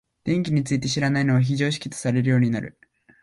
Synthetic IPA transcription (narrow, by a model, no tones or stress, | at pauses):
d̪̥ẽ̞ŋkʲiɲ̟it͡sɨit̪e̞ɕiɾanaino̞βaç̬iʑo̞ːɕ̬i̥kʲi̥t̪o̥saɾe̞ɾɯ̟jo̞ːɲ̟inaɾɯ̟̰